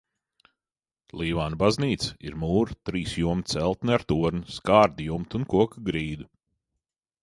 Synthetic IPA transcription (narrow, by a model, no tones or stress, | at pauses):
lˠiːvaːnbazniːt̪sɐ̥iɾmuːɾt̪ɾiːsjuɔmt̪sɛlˠt̪nɨaɾt̪uɔɾnskaːɾd̪ijumt̪unkuɔkɡɾiːd̪u